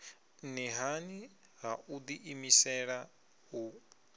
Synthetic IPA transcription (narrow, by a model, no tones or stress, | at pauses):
nɛɦani | ɦaʔud̪iʔimisɛɺa | u